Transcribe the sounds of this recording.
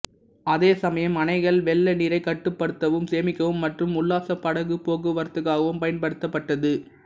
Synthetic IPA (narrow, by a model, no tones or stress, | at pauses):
ɐðeːsɐmɐjɐmɐnɐɪɣɐɭʋɛɭːɐniːɾɐɪkɐʈːɯpːɐɽɯt̪ːɐʋɯmseːmɪkːɐʋɯmːɐʈrɯmʊɭːaːsɐpːɐɽɐɣɯpoːɣɯʋɐɾt̪ɯɣaːɣɐʋɯmpɐjɐnpɐɽɯt̪ːɐpːɐʈːɐðɯ